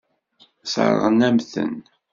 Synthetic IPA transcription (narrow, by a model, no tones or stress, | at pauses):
sə̰ɾˤʁənæmθə̰n